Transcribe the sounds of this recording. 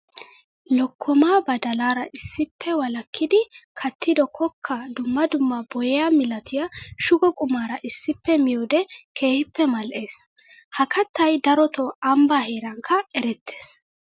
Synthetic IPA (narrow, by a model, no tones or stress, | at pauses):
lɔkʰːɔmaːbɐd̪ɐlaːɾɐʔɪsːɪpːɛwɐlɐkʰːɪd̪ɪkʰɐt̪ːɪd̪ɔkʰɔkʰːɐd̪ʊmːɐd̪ʊmːɐbɔjɛjamɪlɐt̪ʰɪjaʃʊɡɔkʼʊmaːɾɐʔɪsːɪpːɛmɪjoːd̪ɛkʰe̞ːhɪpːɛmɐlʔeːs | hɐkɐt̪ːɐjd̪ɐɾɔt̪ɔɐmbaheːɾɐŋkʰːɐɛɾɛt̪ʰːe̞̥ːs